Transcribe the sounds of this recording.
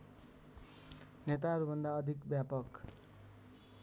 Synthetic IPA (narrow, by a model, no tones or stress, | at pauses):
net̪aɦʌɾubʱʌnd̪aʌd̪ʱikbjapʌk